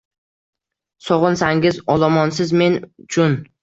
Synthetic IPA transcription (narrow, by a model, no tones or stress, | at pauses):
sɒʁɨnsaŋʲɪzɒlˠɒmɒnsɪzme̞nʊt͡ʃʰʊn